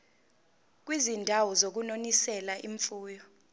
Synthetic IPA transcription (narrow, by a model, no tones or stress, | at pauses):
k̬wizindʱawɔzok̬unonisɛlaʔḭɱfuːjɔ